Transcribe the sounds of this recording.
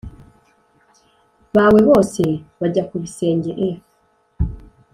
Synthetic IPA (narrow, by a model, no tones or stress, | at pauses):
βawe̞βo̞ːse̞βaɟakuβise̞ːɲɟeʔe